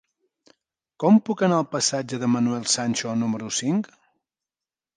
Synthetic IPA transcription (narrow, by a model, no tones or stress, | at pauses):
kɔmpukənaəlˠpəsad͡ʒəðəmənuɛlˠsanʲt͡ʃonuməɾusiŋk